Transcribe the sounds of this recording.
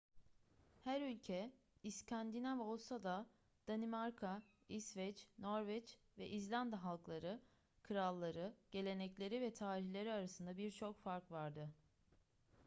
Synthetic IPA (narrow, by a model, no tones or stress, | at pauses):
hæɾylʲcʰɛ | iscʰand̪inavo̞lˠsad̪a | d̪̥animaɾkʰa | isvɛt͡ʃno̞ɾvɛt͡ʃ | vɛʔizlʲand̪aɦalˠklˠaɾɯ | kʰɯɾalˠːaɾɯɟ̥e̞lʲe̞nɛclʲe̞ɾivɛt̪ʰaːɾiçlʲe̞ɾiaɾasɯnd̪abiɾt͡ʃʰo̞kfaɾkvaɾd̪ɯ